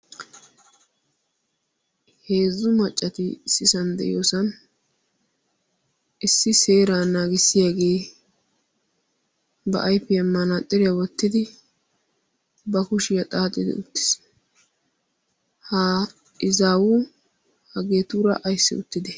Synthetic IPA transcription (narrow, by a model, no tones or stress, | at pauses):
he̞ːzːʊmɐt͡ʃʼːɐt̪ɪsɪsɐnd̪ɛ̰ʔɪ̰joːsɐn | ʔɪsːɪseːɾaːnaːɡɪsːɪjaɡe̞ː | bɐ̰ʔɐjpːɛɐmːɐnat̪ʼːɪɾɪjawɔt̪ːɪd̪ɪ | bɐkʊʃɪjɐt̪ʼaːt̪ʼːɪd̪ɛ̰ʊt̪ːɪ̥s | hɐ | ɪzaːwʊ | hɐɡeːt̪uːɾɐ̰ʔɐjsːɪ̰ʊ̰t̪ːɪd̪ɛ